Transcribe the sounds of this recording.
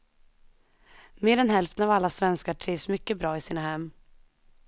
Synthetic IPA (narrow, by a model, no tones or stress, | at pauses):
meːɾɛnhɛlft̪ənavalːasvɛnskaʈʰɾiːvsmʏkːəbɾɑːɪsiːnahɛmː